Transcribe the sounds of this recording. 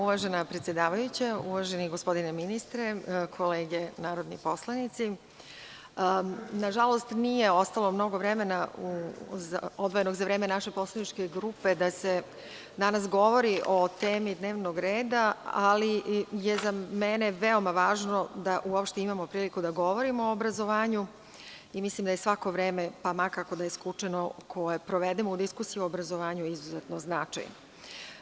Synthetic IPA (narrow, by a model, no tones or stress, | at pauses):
uʋaʒenapɾe̞t̪sjed̪aːʋajut͡ɕauʋaʒeniɡo̞spo̞d̪ineminist̪ɾekʰo̞leːɡenaːɾod̪nḭpo̞slˠanit̪si | naʒalˠo̞st̪nije̞o̞st̪alo̞mno̞ɡo̞ʋɾeme̞nauzaod̪ʋojenoɡzaʋɾe̞ːmenaʃepo̞slˠanit͡ʃke̞ɡɾupe̞d̪ase | d̪anasɡo̞ʋo̞ɾiʔo̞t̪eːmid̪neːʋnoɡɾeːd̪aalijezameneʋeo̞maʋaːʒno̞d̪aʔuopʃt̪eimamo̞pɾiːlikud̪aɡo̞ʋo̞ɾimooobɾazoʋaːɲu | imislimd̪ajesʋako̞ʋɾeːmepamakako̞d̪ajeskut͡ʂenokʰojepɾoʋed̪emoud̪iskusijuobɾazo̞ʋaːɲuizuzet̪noznat͡ʃa̰jn